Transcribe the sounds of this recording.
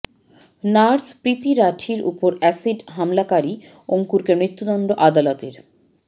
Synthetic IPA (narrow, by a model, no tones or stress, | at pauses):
naɾspɾit̪iɾaʈʰiɾṵpoɾɛsiɖɦamlakaɾi | oŋkuɾkemɾit̪ːud̪ɔnɖoʔad̪alot̪eɾ